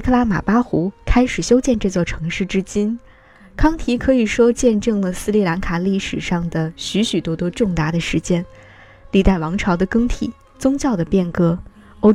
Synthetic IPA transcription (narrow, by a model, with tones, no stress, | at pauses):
kʰɤ˥˧la˥ma̰˨˩pa˥xu˧˥kʰa˥ɪʂɻ̩˨˩ɕjo˥ʊt͡ɕjɛ˥˧nʈ͡ʂɤ˥˧t͡swɔ˥˩ʈ͡ʂʰɤ˧˥ŋʂɻ̩˥˩ʈ͡ʂɻ̩˥t͡ɕi˥n | kʰɑ˥ŋt̪ʰi˧˥kʰɤ˧˥i˨˩ʂwɔ˥t͡ɕjɛ˥˧nʈ͡ʂɤ˥˩ŋlə˩sɹ̩˥li˥˩la˧˥nkʰa˨˩li˥˩ʂɻ̩˨˩ʂɑ˥˩ŋd̪ə˩ɕy˧˥ɕy˨˩t̪wɔ˥t̪wɔ˥ʈ͡ʂʊ˥˩ŋt̪a˧˩d̪ə˧ʂɻ̩˧˥t͡ɕjɛ˥n | li˥˧˩t̪a˥˩ɪwɑ˧˥ŋʈ͡ʂʰɑ˧˥ʊd̪ə˧kɤ˥ŋt̪ʰḭ˨˩˦ | t͡sʊ˥ŋt͡ɕjɑ˥˩ʊd̪ə˩pjɛ˥˩nkɤ˥ | o˥˧ʊ